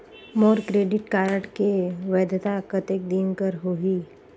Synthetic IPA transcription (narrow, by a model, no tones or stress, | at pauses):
mɔːɾkɾeːɖɪʈkaːɾəʈkeʋɛːd̪t̪akət̪eːk̚d̪iːnkəɾɦoːɦiː